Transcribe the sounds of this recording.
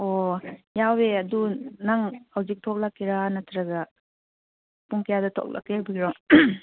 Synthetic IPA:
ojaweɐdunaŋhawzik̚tʰok̚lakːeɾanɐtʰɾaɡa | puŋkʰɐjadɐtʰo̰k̚la̰kːebiɡiɾɔŋ

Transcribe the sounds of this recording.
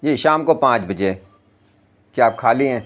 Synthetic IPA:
jeːʃaːmkopãːt͡ʃbəd͡ʒe | kaːp̚kʰaːliɦɛ̃ː

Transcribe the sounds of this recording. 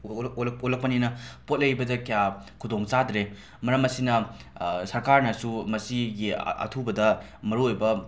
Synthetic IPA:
lolɐk̚pɐninɐpot̚lɐjbɐdɐkijakʰudoŋt͡ʃadɾe | mɐɾɐmɐsinɐsɐɾkaɾnɐsumɐsiɡḭɐ̰tʰubɐdɐ | mɐɾuojbɐ

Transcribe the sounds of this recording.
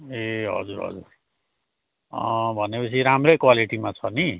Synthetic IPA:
eɦʌ̰d͡zuɾɦʌ̰d͡zuɾ | ʌbʱʌnepʌt͡sʰiɾamrekwaliʈimat͡sʰʌni

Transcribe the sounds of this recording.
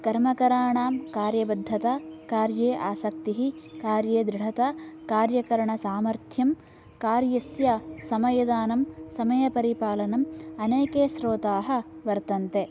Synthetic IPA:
kɐɾmɐkɐɾaːɳaːmkaːɾjɐbɐd̪ʱːɐt̪akaːɾjeːʔaːsɐkt̪iɦikaːɾjeːd̪ɾɪɽ̤ɐt̪akaːɾjɐkɐɾɐɳɐsaːmɐɾt̪ʰjɐm | kaːɾjɐsjɐsɐmɐjɐd̪aːnɐmsɐmɐjɐpɐɾipaːlɐnɐmɐneːkeːʃɾoːt̪aːɦɐ̆ʋɐɾt̪ɐnt̪e

